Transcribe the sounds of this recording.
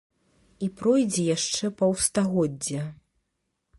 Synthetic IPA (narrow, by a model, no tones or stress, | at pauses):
ipɾɔjd͡zʲɛjaʂt͡ʂɛpɐwst̪aɣɔd͡zʲːɐ